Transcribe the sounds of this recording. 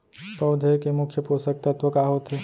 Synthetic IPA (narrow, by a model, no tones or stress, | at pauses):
pɐwd̪ʱekemʊkʰːjəposək̚t̪ɐt̪ʋəkaːɦot̪ɦe